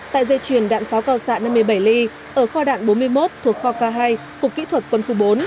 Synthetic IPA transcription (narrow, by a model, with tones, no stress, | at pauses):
t̪a̰ː˧˨jzə˧jt͡ɕwi˧˩ənɗa̰ː˧˨nfaː˨˦wkaː˧˩wsa̰ː˧˨na˧mːɨ˧əjɓə˧˩jli˧ | ʔəː˧˩xɔ˧ɗa̰ː˧˨nɓo˨˦nmɨ˧əjmo˦˥t̚t̪ʰu˨˩ək̚xɔ˧kaː˧ɦaː˧j | ku˨˩əkːḭ˧˥t̪ʰwə˨˩t̚kwə˧nxu˧ɓo˨˦n